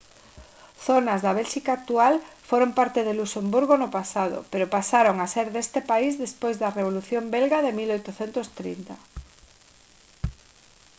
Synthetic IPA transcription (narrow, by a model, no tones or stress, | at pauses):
θonazðɐβɛlʃikaːk̚t̪ualfoɾompaɾt̪eðelusembuɾɣonʊpasað̞ʊ̰peɾopasaɾoŋaseɾðest̪epaizðespojzðɐreβ̞oluθjombelɣaðemilojt̪ʊθent̪ost̪ɾḭnt̪a